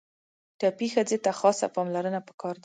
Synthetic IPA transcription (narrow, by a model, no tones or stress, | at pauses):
ʈɑpixəd͡zet̪axɑsa̰pɑmlaɾənapə̥kɑɾd̪a